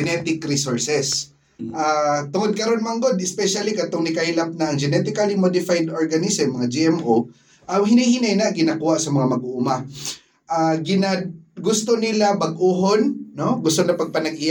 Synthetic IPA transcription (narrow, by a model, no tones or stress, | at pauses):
ɛnɛt̪ɪkɾisoɹsɛs | ʔat̪ʊŋod̪̚kɐɾo̞nmɐŋɡod̪ʔɪspɛʃalikɐt̪oŋnɪkajlap̚naʔɐŋd͡ʒɛnɛt̪ɪkalimod̪ɪfajd̪oɹɡɐnɪsɛmːɐŋad͡ʒiʔɛmʔu | ʔɐŋhɪnajhɪnajnaʔɡɪnakuːhaʔsɐmɐŋamɐɡʔuʔuma | ʔaɡɪnaɡʊst̪onɪlabɐɡʔuːɦonːoɡʊst̪onɐpɐɡ̚pɐnɐɡʔɪj